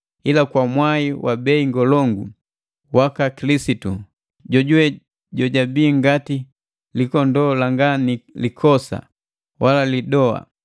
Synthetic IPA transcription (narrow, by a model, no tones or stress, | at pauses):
ilakwamwaiwʔabɛiŋɡɔlɔŋɡu | wakakilisitu | ɟɔɟuɛ | ɟɔɟabiːŋɡati | likɔndɔːlaŋɡanilikʰɔsa̰ | walalidɔa̰